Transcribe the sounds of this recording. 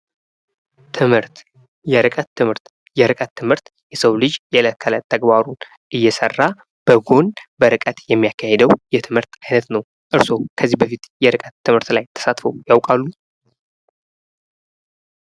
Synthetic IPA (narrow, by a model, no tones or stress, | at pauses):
t̪ʰɨmhɨɾt̪ | jɛɾɨkʼət̪ʰːɨmhɨɾt̪ | jɛɾɨkʼət̪ʰːɨmhɨɾt̪jɛsəwlɨd͡ʒjɛləkʰːəlat̪ʰːəɡbaɾun | ʔɨjːɛsə̰rːa | b̥əɡo̞nbəɾɨkʼət̪jɛmːijakʰːahed̪əwjɛt̪ʰɨmhɨɾt̪ajnət̪nəw | ʔɨɾso̞kʰəzːihbəfit̪jɛɾɨkʼət̪ʰːɨmhɨɾt̪lajt̪ʰə̥sat̪fəwjawkʼalːu